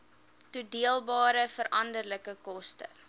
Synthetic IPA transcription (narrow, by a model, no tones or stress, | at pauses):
tudiəlˠbɑːɾəfəɾɐndərləkəkɔstə̰